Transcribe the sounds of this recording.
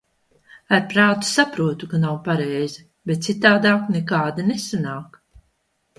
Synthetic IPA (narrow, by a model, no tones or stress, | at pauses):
aɾpɾaːt̪u̥sapɾuɔt̪ukanawpaɾɛjzi | bet̪̚tsit̪aːd̪aːknekaːd̪inesanaːk